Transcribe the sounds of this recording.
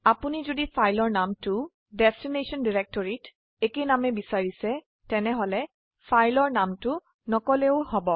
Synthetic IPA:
apunizodipʰajlɔɹnamtʊ | dɛstinesɔndiɹɛk̚tɔɹit | ekenamɛbisaɹisɛ | tɛnɛɦɔlɛ | fʰajlɔɹnamtʊ | nɔkɔleʊhɔbɔ

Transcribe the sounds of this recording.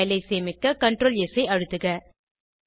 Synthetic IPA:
lɐɪseːmɪkːɐkɐɳʈɾoːlɛsɐɪʔɐɻɯt̪ːɯɣɐ

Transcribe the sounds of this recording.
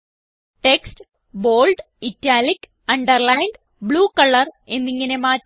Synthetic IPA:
ʈeksʈ | boːlɖ | itːaːlik | ɐɳɖɐrlajɳɖ | bɭuːkɐɭːɐre̞nːiŋːɐne̞maː

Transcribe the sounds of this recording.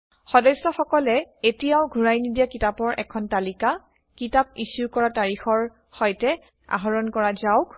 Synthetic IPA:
xɔdɔsːɔxɔkɔlɛetijaʊɡʱuɹajnidijakitapɔɹʔɛ̰kʰɔntalika | kitap̚isukɔɹataɹixɔɹ | hɔjtɛ | a̰ɦɔɹɔnkɔɹazaʊk

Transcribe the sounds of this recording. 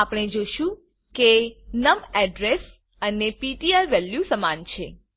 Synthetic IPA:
apɽ̃ed͡ʒoʃũ | kenəmɛɖɾes | ənepiʈiaɾʋɛljusəmant͡ʃʰe

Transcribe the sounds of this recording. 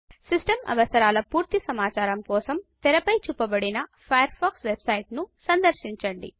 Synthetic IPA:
sisʈɐmɐ̰ʋɐsɐɾaːlɐpuːɾt̪isɐmaːt͡ʃaːɾɐmkɔːsɐmt̪ɛɾɐpɐjt͡ʃupːɐbɐɽinɐpʰɐjɐɾpʰaːksʋebsɐjʈnusɐnd̪ɐɾʃiɲt͡ʃɐɳɖḭ

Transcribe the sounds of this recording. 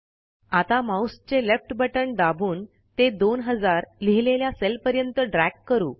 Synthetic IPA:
at̪amaust͡ɕelefʈbəʈəɳɖ̪abʱuːn | t̪ed̪onɦəd͡zaɾliɦileljaselpəɾjənt̪əɖɾækːəɾuː

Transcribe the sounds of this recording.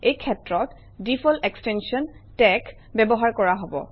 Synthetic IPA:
ejkʰɛtɹɔt | difɔlekstɛnsiɔntɛk | bɛbɔɦaɹkɔɹaɦobɔ̰

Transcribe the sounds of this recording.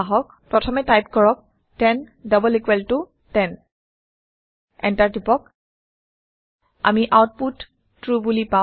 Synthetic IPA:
aɦɔk̚pɹɔtʰɔmɛtajp̚kɔɹɔk̚ | tɛndɔbɔlikwɛltʊ | tɛn | ɛ̰ntaɹtipɔk̚ | a̰miʔawt̚putː | ɹubulipa

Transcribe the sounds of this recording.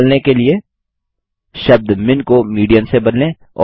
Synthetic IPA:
lnekelie | ʃɐb̚d̪mɪnkomiːɖijəmsebɐnlẽ | ɔ̰ː

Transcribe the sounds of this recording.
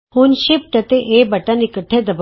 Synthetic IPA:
hunʃip̚ʈɐt̪eʔebɐʈanikəʈʰed̪ɐb

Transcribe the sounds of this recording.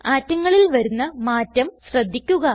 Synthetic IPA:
aːtːɐŋːɐɭilʋɐɾunːɐmaːtːɐmɕrɐd̪ʱːikʲːuɣɐ

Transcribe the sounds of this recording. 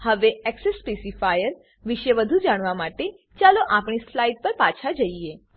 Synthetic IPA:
həʋeɛksesːpesifajəɾ | ʋɪʃəʋəd̪ʱud͡ʒaɽ̃ʋamaʈe | t͡ʃaloʔapɳ̃islaiʈ̚pəɾpat͡ʃʰad͡ʒəie

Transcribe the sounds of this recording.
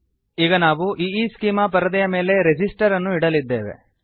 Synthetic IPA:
iːɡɐnaːʋuʔiːiːskiːmɐpɐɾɐd̪ɐjɐme̞ːle̞ɾed͡ʒisʈɐɾɐnːuiɽɐlid̪ːe̞ːʋe̞̰

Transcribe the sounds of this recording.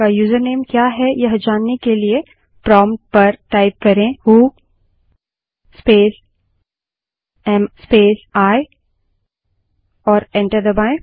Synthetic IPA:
ajuːzəɾneːmkjaːɦɛjɐɦd͡ʒaːnːekelie | pɾɔ̃ːmʈ̚pɐɾʈaːɪp̚kɐɾẽhuː | speːs | ɛmspeːsaːe | ɔːɾɛ̃ɳʈəɾd̪əbãːẽ

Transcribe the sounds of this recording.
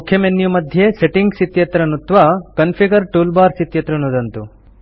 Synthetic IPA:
ukʰjɐmenjumɐd̪ʱjeseʈiŋɡsit̪jɐt̪ɾɐnut̪ʋakɐnpʰiɡɐɾʈuːlbaːɾsit̪jɐt̪ɾɐnud̪ɐnt̪u

